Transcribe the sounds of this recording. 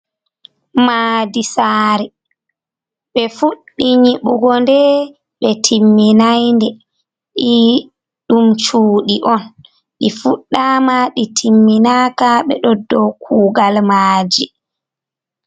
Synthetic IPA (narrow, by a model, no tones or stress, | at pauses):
maːdisaːɾi | ɓɛfuɗːiɲiɓuɡɔndɛ | ɓɛtʰimːinajndɛ | ɗi | ɗumt͡ʃuːɗiʔɔn | ɗifuɗːamaɗitʰimːinaːkaɓɛ̰ɗɔdːɔkʰuːɡalmaːd͡ʒi